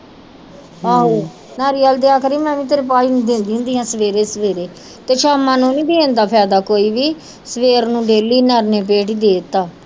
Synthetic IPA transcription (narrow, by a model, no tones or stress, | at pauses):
aːɦoː | naːɾiːaːld̪eaːkəɾiːmɛ̃ːʋĩːt̪̬əɾpaːiːnũːd̪ẽːnd̪iːɦʊ̃nd̪iːɦãːsəʋeːɾeːsəʋeːɾeː | t̪eːʃaːmãːnũːnĩːd̪eːẽːnd̪aːpʰɛːd̪aːkoːiːʋiː | səʋeːɾnũːɖeːliːnəɾneːpeːʈiːd̪eːt̪aː